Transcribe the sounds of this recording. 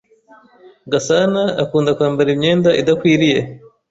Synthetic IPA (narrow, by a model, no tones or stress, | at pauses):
ɡasana̰ːkuːndakwaːmbaɾimɲe̞ːndaʔidakwiːɾije̞